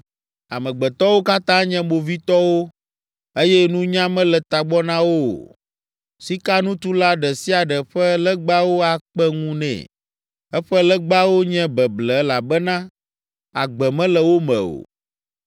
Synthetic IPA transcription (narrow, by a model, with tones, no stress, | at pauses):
a˨mɛ̃˨ɡ͡bɛ˨t̪ɔ˦wo˦ka˦t̪ã˦ɲɛ̃˦mo˨vi˦t̪ɔ˦wo˦ | e˦jɛ˦nũ˦ɲã˦mɛ̃˦lɛ˨t̪a˨ɡ͡bɔ˦nã˦wo̰˦˨ | si˦ka˦nũ˦t̪u˦la˦ɖɛ˨si˦a˨ɖɛ˨ɸɛ˦lɛ˦ɡ͡ba˦wo˦a˨k͡pɛ˦ŋũ˦nɛ̰̃˨ | ɛ˦ɸɛ˦lɛ˦ɡ͡ba˦wo˦ɲɛ̃˦bɛ˨blɛ˨˦la˨bɛ˦nã˦ | a˨ɡ͡bɛ˨mɛ̃˦lɛ˨wo˦mɛ̰̃˨o̰˨